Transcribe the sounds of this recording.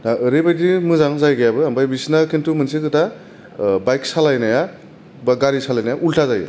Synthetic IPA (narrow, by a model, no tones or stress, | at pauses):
naʔɯɾibajdimɯzaŋzajɡajabɯambajbisnakʰintumɯnsikɯta | bajksalajnaja | bɡaɾisalajnajaʔultʰazajɯ̰